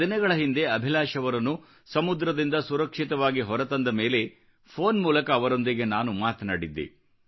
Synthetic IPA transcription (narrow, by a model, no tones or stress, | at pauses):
inɐɡɐɭɐɦind̪e̞ɐbʱilaːʃɐʋɐɾɐnːu | sɐmud̪ɾɐd̪ind̪ɐsuɾɐkʂit̪ɐʋaːɡiɦɔɾɐt̪ɐnd̪ɐme̞ːle̞ | pʰo̞ːnmuːlɐkɐːʋɐɾo̞nd̪iɡe̞naːnumaːt̪ɐnaːɽid̪ːḛ